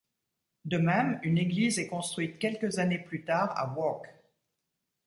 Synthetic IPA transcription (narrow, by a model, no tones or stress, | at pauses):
d̪əmɛmyneɡlizɛkɔ̃st̪χɥit̪kʲɛlkəzaneplyt̪aːʁa̰wɔk